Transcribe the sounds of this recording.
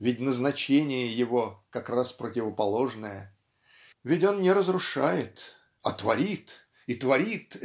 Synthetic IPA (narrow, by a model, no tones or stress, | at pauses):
vʲɪtʲnəznɐt͡ɕenʲɪjəjɪvo̞kɐkraspɾətʲɪvəpɐlˠo̞ʐnəjə | vʲɪtʲo̞nnʲɪɾəzɾʊʂajɪt̪ | ɐt̪vɐɾʲit̪ | it̪vɐɾʲit̪